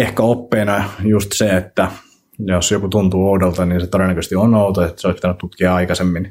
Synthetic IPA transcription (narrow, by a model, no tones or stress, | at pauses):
ehkæopːeːnɑjust̪seet̪ːæ | josjokut̪unt̪uːoudolt̪ɑniːnset̪oɾenːækøsest̪ionout̪oet̪ːseoˑispit̪ænyt̪t̪ut̪kiɑɑikɑsemːin